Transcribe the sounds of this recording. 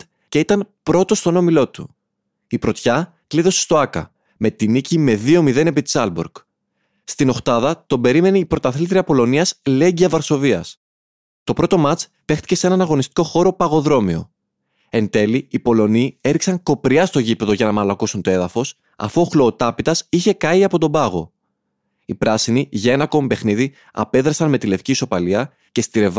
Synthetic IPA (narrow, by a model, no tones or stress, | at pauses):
ce̞it̪ɐnpɾo̞t̪o̞st̪o̞no̞milo̞t̪u | ipɾo̞t̪çɐ | kliðo̞se̞st̪oɐkɐ̰ | me̞t̪inicime̞ðio̞miðe̞ne̞pit̪i̥sɐlbuɾɡ | st̪ino̞xt̪ɐðɐt̪o̞be̞ɾime̞neipɾo̞t̪ɐθlit̪ɾiɐpo̞lo̞niɐsle̞ɟiɐvɐɾso̞viɐs | t̪o̞pɾo̞t̪o̞mɐt͡s | pe̞xt̪i̥ce̞se̞nɐnɐɣo̞nist̪i̥ko̞xo̞ɾo̞pɐɣo̞ðɾo̞mio̞̰ | e̞nt̪e̞liːpo̞lo̞niːe̞ɾiksɐŋko̞pɾiɐst̪o̞ʝipe̞ðo̞ʝɐnɐmɐlɐkosunt̪o̞e̞ðɐfo̞s | ɐ̰fuoxlo̞ːt̪ɐpit̪ɐsiçe̞kɐiɐpo̞t̪̬o̞bɐɣo̞ | ipɾɐsiniʝɐenɐko̞mipe̞xniði | ɐ̰pe̞ðɾɐsɐnme̞t̪ile̞fciso̞pɐliɐ | ce̞st̪iɾe̞v